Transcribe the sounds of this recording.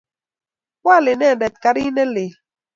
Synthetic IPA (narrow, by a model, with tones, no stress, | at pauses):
kwa˦˨lɪ˨nɛ˦˨nɛ˨t̪̚ka˦ɾi˦nɛ˦lɪ˨